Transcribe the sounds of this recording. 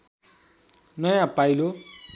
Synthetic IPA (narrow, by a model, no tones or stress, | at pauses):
nʌjãpajlo